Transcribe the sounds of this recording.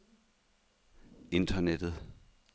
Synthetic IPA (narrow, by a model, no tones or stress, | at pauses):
e̝nd̥ʰɐned̥ð̩ˠ